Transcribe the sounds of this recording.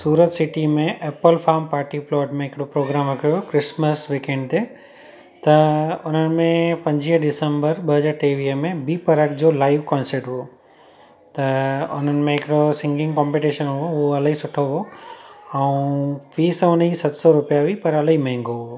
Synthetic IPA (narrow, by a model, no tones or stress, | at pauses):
suːɾət̪sɪʈimẽʔeːpəlfʰaːɾmpaːɾʈiplɔːʈmẽɦɪkɪɽopɾoːɡɾaːmɪkʰujokɾɪsməsʋikẽɳɖ̚t̪e | t̪ɐʊn̤ənɪ̆mẽpɐ̃ɲd͡ʑiɦɖɪsə̃mbəɾɓɐɦəd͡ʑaːɾʈeːʋiːɦəmẽbiːpɐɾəkd͡ʑoːlaːɪʋkɔ̃ːnseɾʈɦuo | t̪ɐʊ̰n̤ənɪ̆mẽɦɪkɪɽosɪ̃ŋɡɪ̃ŋɡkɔ̃ːmpiʈiʃənɦuoɦuoɐlaɦisʊʈʰoɦo | ɛ̃ũʋiːsʊnisɐt̪sɔɾʊpijaʋipɐɾɐlaɦimɐ̃ɦɪ̃ŋɡoɦuo